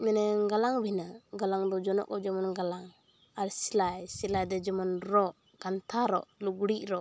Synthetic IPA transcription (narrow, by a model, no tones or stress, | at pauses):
mɛnɛŋɡalaŋbinaɡalaŋdɔd͡ʒɔnɔ̰kɔd͡ʒɔmɔnɡalaŋ | aɾsilajsilajdɛd͡ʒɔmɔnɾɔ | ɡant̪ʰaɾɔ̰luɡuɽiʔɾɔ